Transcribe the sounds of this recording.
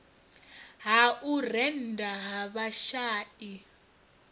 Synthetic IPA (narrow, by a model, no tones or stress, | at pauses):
ɦaʔurɛn̩daɦaβaʃaːʔi